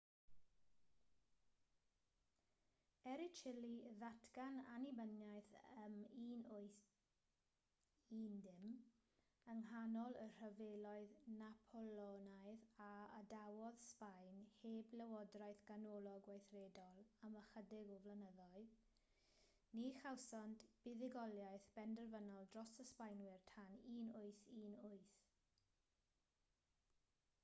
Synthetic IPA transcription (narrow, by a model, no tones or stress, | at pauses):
ɛɾɪt͡ʃʰɪliðatʰɡ̥ananibənjajθəmiːnʊj | iːndɪm | əŋɦanɔlˠər̥əvelɔɨðnapʰɔlɔnajðaədawɔðspajnheːbləwɔdrajθɡ̥anɔlˠɔɡwajθredɔlˠaməχədɪɡɔvlənəðɔɨ | niχawsɔntb̥ɪðɪɡɔlˠjajθb̥ɛndərvənɔlˠdrɔsəspajnwɪrtʰaniːnʊɨθiːnʊɨθ